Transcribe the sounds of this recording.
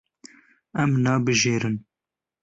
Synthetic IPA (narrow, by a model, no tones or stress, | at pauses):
ɛmnɑːbɨʒeːɾɨn